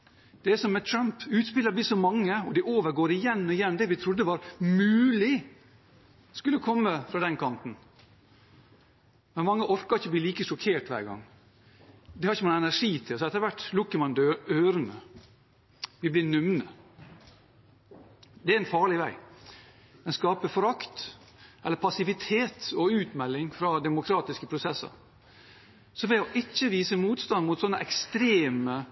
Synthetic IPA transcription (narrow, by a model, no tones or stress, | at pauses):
d̪̥ɛæsɔmːɛt̪ʰɾɑmpʉːt̪spɪləblɪːsɔmɑŋːəɔd̪ɪʔoːʋəɾɡoːɾɪjɛnːɔɪjɛnːd̪ɛʋɪt̪ʰɾʊd̪ːəʋɑːɾmʉːlɪ | skʉlːəkʰɔmːəfɾɑːd̪ɛnkʰɑnt̪n̩ | mɛnmɑŋːəʔɔɾkɑɾɪçəb̪iːliːkəʂɔkʰeːʈʋæ̰ːɾɡɑ̰ŋː | d̪ɛhɑɾɪçəmɑŋəɛnæʂiːt̪ʰɪlsɔɛt̪əɾʋæʈːlʊkːəmɑnd̪øøːɾənə | ʋɪblɪnʉmnə | d̪ɛæɾɛɪnfɑːɭɪʋæɪ | mɛnskɑːpəfɔɾɑkt̪ | ʔɛlːəɾpʰɑsɪʋɪt̪ʰeːt̪ɔʉːt̪mɛlːɪŋfɾɑːd̪ɛmʊkʰɾɑːt̪ɪskəpʰɾʊsɛsːə̰ɾ | sɔʋɛɔʔɪt͡ʃːəʋiːsəmuːt̪st̪ɑnd̪mʊt̪sɔnːəʔɛkst̪ɾeːmə